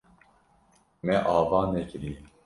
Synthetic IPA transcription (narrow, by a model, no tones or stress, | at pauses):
mɛʔaːvɑːnɛkiɾi